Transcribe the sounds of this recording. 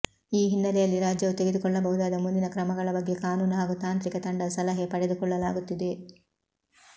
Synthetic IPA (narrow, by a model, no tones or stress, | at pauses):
iːɦinːɐlɛjɐlːiɾaːd͡ʒjɐʋut̪e̞ɡed̪ukɔɭːɐbɐɦud̪aːd̪ɐmund̪inɐkɾɐmɐɡɐɭɐbɐɡːe̞kaːnuːnuɦaːɡut̪aːnt̪ɾikɐt̪ɐɳɖɐsɐlɐɦepɐɽed̪ukɔɭːɐlaːɡut̪ːid̪e̞